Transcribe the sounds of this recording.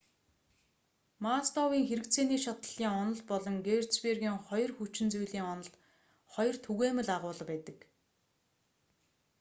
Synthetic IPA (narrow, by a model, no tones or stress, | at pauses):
mast̪ɔwiːŋxeɾɘ̆kt͡sʰeːniːʃat̪ə̆ɮ̥iːŋɔnɞ̆ɮpɔɮɞ̆ŋɡert͡sperɣiːŋχɔjɞ̆rxut͡ɕɪ̆nt͡sujɮiːŋɔnɞ̆ɮ | χɔjɞ̆r̥t̪ʰuɣeːmɘ̆ɮaʁʊːɮpæːt̪ə̆k